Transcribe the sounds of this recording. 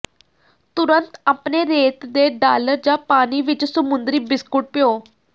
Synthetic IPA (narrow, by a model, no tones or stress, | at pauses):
t̪ʊɾənt̪aːpneːɾeːt̪d̪eːɖaːləɾd͡ʒãːpaːniːʋɪt͡ʃsəmʊnd̪ɾiːbɪskʊʈ̚pɪjoː